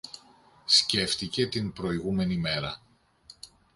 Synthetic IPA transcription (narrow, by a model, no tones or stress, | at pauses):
sce̞ft̪ice̞t̪inpɾo̞iɣume̞nime̞ɾɐ